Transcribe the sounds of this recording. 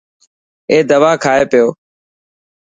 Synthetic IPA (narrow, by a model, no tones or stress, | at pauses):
eːd̪əʋaːkʰaːeːpɪjoː